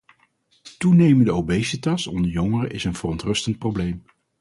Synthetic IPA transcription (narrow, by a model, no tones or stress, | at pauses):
tunejməndəowbejsətɑsɔ̰ndəɹjɔŋərəʔɪsənvərɔntrɵstənt̚prowblejm